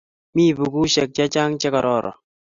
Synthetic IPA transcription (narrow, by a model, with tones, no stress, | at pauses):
mi˦bu˨ɡu˦ʃɛ˨k̚t͡ʃa˦t͡ʃa˦ŋt͡ʃɛ˦kɔ˨ɾɔ˦˨ɾʔɔ̰˨